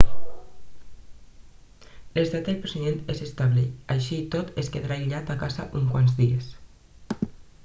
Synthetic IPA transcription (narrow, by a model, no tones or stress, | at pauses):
lest̪at̪̚d̪elpɾoseiment̪ezest̪aβleajʃit̪ot̪eskeðɾaiʎat̪akaza̰ʔuŋkwanzðies